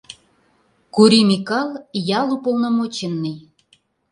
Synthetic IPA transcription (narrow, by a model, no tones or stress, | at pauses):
kuɾimikɑljɑlupolˠnɑmot͡ɕə̆nːəj